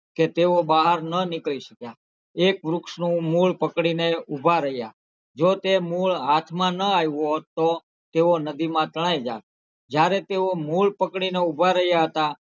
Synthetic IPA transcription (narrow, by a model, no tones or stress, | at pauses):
ket̪eobaɦəɾnənɪkɭiʃəkja | ekʋɾukʃnũmuɭpəkɽineubʱaɾəɦja̰ | d͡ʒot̪emuɭat̪ʰmãnəajot̪o | t̪eonəd̪imãt̪əɭ̃ajd͡ʒa̰ | d͡ʒjaɾet̪eomuɭpəkɽineubʱaɾəɦjaɦət̪a